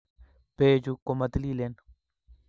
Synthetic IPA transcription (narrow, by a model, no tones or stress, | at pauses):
b̥eːd͡ʒukːomɐt̪liːlen